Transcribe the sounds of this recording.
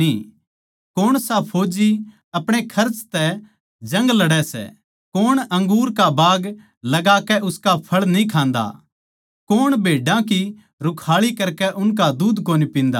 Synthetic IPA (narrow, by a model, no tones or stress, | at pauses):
i | koːɽ̃sapʰoːd͡ʒi | ɐpɽ̃ekʰɐɾt͡ʃt̪ɛ | d͡ʒɐ̃ŋɡlɐɽɛsɛ̰ | koːɽ̃ɐ̃ŋɡuːɾkabaːɡ | lɐɡaːkɛʔʊskapʰɐɭnĩkʰãːnd̪a̰ | koːɽ̃bʱeːɖãki | ɾʊkʰaːɭikɐɾkɛʔʊnkad̪uːd̪koːnipĩːnd̪a̰ː